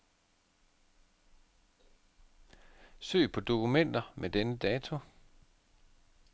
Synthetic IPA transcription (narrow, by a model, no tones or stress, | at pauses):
sø̰ːpʰɒ̽d̥o̝kumen̰d̥ɐmʔed̥enəd̥ɛːt͡sʰo̝